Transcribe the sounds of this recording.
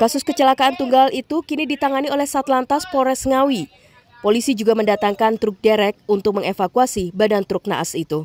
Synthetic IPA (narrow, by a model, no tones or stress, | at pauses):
kasʊskət͡ʃəlakaʔant̪uŋɡalit̪ukinidit̪aŋaniolɛhsat̪lant̪aspoɾɛsŋawi | polisid͡ʒuɡaməndat̪aŋkant̪ɾʊk̚dɛɾɛk̚unt̪ʊk̚məŋefakuasibadant̪ɾʊk̚na̰ʔa̰sit̪u